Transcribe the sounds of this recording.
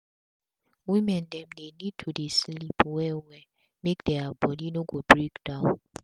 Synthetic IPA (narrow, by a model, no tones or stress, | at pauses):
wimɛndɛmnenitʰudislipʰwɛwɛ | mekd̥ɛabɔdinoɡobrikd̥awn